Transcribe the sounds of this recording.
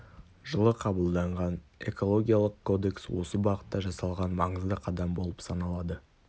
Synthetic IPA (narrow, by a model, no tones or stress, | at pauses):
ʒəlˠəqʰɑbəlˠd̪ɑɴʁɑne̞̰ko̞lˠo̞ɡʲijalˠəqkʰo̞d̪e̞kswo̞səbɑʁət̪ːɑʒɑsɑlˠʁɑnmɑɴəzd̪əqʰɑd̪ɑmbo̞lˠəpsɑnɑlˠɑd̪ə